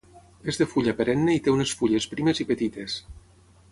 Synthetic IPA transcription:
ezðefuʎapeɾenːeit̪eunesfuʎespɾimezipet̪it̪es

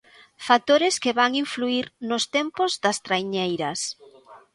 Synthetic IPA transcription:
fak̚t̪oɾɪskeβaŋiɱfluiɾnʊst̪ɛmpʊzd̪ɐst̪ɾajɲejɾɐs

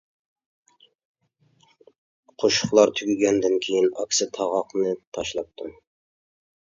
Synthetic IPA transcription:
qʰoʃʊ̥χlˠɑɾt̪ʰyɡʲyɡʲɛnd̪ɪnkʲʰejinɑ̰kʲsɨt̪ʰɑʁɑqnɨt̪ʰɑʃlˠɑp̚t̪ʰu

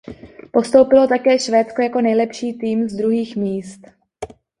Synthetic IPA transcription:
po̞st̪o̞wpɪlo̞t̪akɛːʃvɛːtt͡sko̞jako̞nɛjlɛpʃiːt̪iːmzd̪ɾuɦiːxmiːst̪

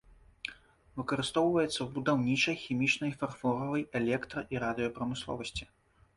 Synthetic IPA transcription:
vɨkɐɾɨst̪ɔwvɐjɛt̪sːɐwbud̪awnʲit͡ʂɐjxʲimʲit͡ʂnɐjfarfˠɔɾɐvɐjɛlʲɛkt̪ɾɐʔiɾad̪ɨjɔpɾɐmɨslˠɔ̰vɐsʲt͡sʲi̥

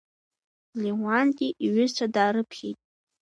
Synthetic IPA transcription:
liwanɡʲʼiʔiɥʏzt͡ʃʷʰadaːɾɨpʰχʲejtʼ

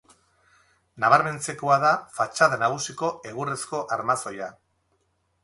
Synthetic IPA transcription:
naβ̞aɾme̞nt͡se̞ko̞aðafat͡ʃaðanaɣusiko̞e̞ɣuresko̞ʔaɾmaso̞ja

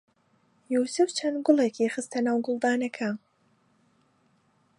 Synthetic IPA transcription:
juːsɨft͡ʃʰɐnd̪ɡʊlˠekʰiːxɨst̪ʰɐnaːwɡʊlˠd̪aːnɐkʰɐ

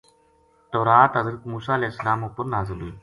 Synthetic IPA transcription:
t̪oːɾaːt̪ɦɐzɾək̪muːsaːɐleːsːɐlaːmuːpʊɾnaːzɪlui

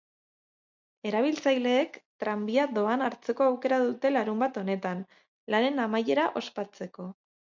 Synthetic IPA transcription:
e̞ɾaβ̞ilt͡sajle̞ːkt̪ɾambiaðo̞anaɾt͡se̞ko̞awke̞ɾaðut̪e̞laɾumbat̪o̞ne̞t̪an | lane̞namaje̞ɾaʔo̞spat͡se̞ko̞

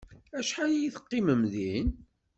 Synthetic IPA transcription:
æʃħajjiθə̥qːɪməmðin

